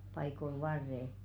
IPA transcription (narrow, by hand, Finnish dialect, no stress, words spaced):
pɑikol ʋɑrːe